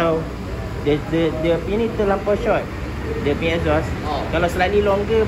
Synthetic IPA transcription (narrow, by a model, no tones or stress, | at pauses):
aw | dədədəpinit̪ulampɔʃɔt̚ | dəpĩɛzɔskalawsəlalilɔŋɡə